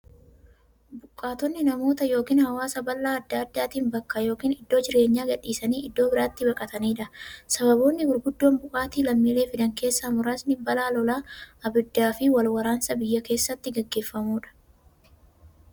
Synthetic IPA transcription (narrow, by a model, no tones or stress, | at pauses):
bʊkʼːaːt̪ɔnːɪnɐmo̞ːt̪ɐjo̞ːkiːnhɐwaːsɐbɐlːaːɐd̪ːaɐd̪ːaːt̪iːnbɐkːɐjo̞ːkiːnɪd̪ːo̞ːd͡ʒɪɾe̞ːɲːaːɡɐᶑiːsɐniːɪd̪ːoːbɪɾaːt̪ːɪbɐkʼɐt̪ɐniːᶑɐsɐβɐbo̞ːnːɪbʊɾɡʊd̪ːo̞ːnbʊkʼaːt̪iːlɐmːiːleːfɪd̪ɐŋke̞ːsːɐmʊɾaːsnɪbɐlaːlɔlaːɐbɪd̪ːaːfɪwɐlwɐɾaːnsɐbɪjːɐke̞ːsːɐt̪ːɪɡɐɡːe̞ːfːɐmuːᶑɐ̥